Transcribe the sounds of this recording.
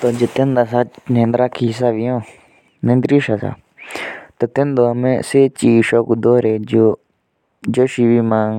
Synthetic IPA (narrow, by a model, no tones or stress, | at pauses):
t̪oːd͡ʒət̪ẽnd̪aːsaːnẽːnd̪ɾaːkʰːiːɦɪsaːʋijõː | nẽnd̪ɾiːʃasa̰ː | t̪ot̪ẽnd̪oəmẽːseːt͡ʃiːʃoːkud̪oːɾeːd͡ʒoː | d͡ʒoʃiʋiːmãːŋ